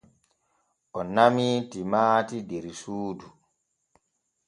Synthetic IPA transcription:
ʔɔnamitimaːtideɾisuːdu

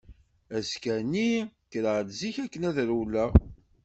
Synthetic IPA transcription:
æskænikɾəʕd̪ziçækːənæðɾulːæ

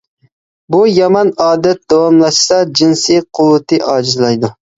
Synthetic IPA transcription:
bujɑmɑnɑːd̪ɛt̪̚d̪ɑwɑmlˠɑʃsɑd͡ʒinsiqʰʊwɨt̪ʰɨʔɑːd͡ʒɪzlˠɑjd̪u

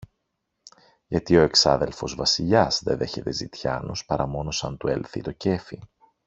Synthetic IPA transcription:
ʝɐt̪io̞e̞ksɐ̰ðe̞lfo̞zvɐsiʎɐzðeðe̞çe̞t̪e̞zit̪çɐ̰no̞spɐɾɐmo̞no̞sɐnt̪ue̞lθḭt̪o̞ce̞fi

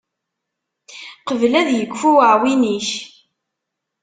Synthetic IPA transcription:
qəvlæðjəkːfuwəʕwiniç

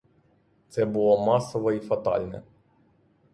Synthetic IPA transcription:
t̪sɛbʊlˠɔmɑsɔʋɐifɐt̪ɑ̰lʲnɛ̰

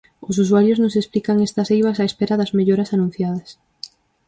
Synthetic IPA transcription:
ʊs̬usuaɾjʊznʊsesplikaŋest̪ɐsejβasaespeɾaðɐzmeʎoɾasanũn̟θjað̞ɐs

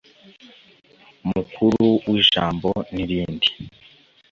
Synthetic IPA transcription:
mukʰuɾuwʔiːʒaːmboniɾiːndi

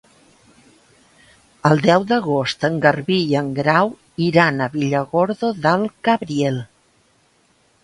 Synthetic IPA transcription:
əlˠd̪ɛwd̪əɣost̪əŋɡəɾβiəŋɡɾaw | iɾanəβiʎəɣoɾðoðəlˠkaβɾiel

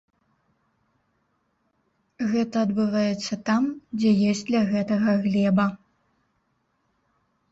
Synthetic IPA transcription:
ɣɛt̪ɐːd̪bɨvajɛt̪sːɐt̪amd͡zʲɛjɔsʲtʲd̪lʲɐɣɛt̪ɐɣɐɣlʲɛbɐ

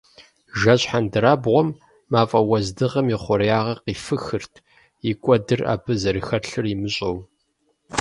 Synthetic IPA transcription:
ʒɐɕħandɨɾaːbʁʷɔmː | aːfʼɐwɐzdɨʁɐmiχʷɔɾjaːʁɐqiːfɨxɨrtʰ | ikʷʼɔdɨra̰ːbʰɨzɐɾixɐɬɨrimɨɕʼɐw

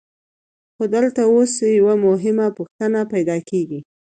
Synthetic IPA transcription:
xod̪əlt̪aosjawamʊɦɪmapʊxt̪ənapajd̪ɑkeɡi

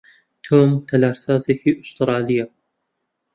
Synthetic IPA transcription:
t̪ʰoːmt̪ʰɐlaːɾsɑːzekiʔʊst̪ɨɾɑːlija

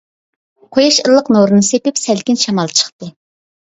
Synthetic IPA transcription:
qʰojɑʃəlˠːəqnoɾɨnɨsepɪpsælkʲɪnʃɑmɑlˠt͡ʃʰə̥χt̪ɨ

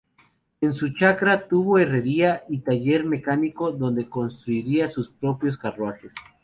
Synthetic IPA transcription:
e̞nsut͡ʃakɾat̪uβo̞ere̞ɾiait̪aʝe̞ɾme̞kaniko̞ðo̞nd̪e̞ko̞nst̪ɾuiɾiasuspɾo̞pjo̞skarwaxe̞s

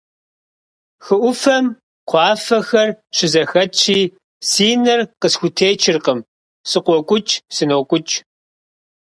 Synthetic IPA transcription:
xɨʔʷʊfɐm | qʷʰɑːfɐxɐrɕɪzɐxɐt͡ʃʰiː | siːnɐrqəsxʷʊtʰeːt͡ʃʰɪrqəm | sɨqʷɔkʷʼʊt͡ʃʼsɨnoːkʷʼʊt͡ʃʼ

